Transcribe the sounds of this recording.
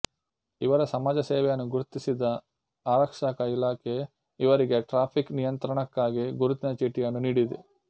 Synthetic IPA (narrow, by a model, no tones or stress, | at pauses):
iʋɐɾɐsɐmaːd͡ʒɐseːʋɛjɐnːuɡuɾut̪isid̪ɐ | aːɾɐkʂakɐilaːkʰe | iʋɐɾiɡe̞ʈɾaːpʰiknijɐnt̪ɾɐɳɐkːaːɡiɡuɾut̪inɐt͡ʃiʈːijɐnːuniːɽid̪e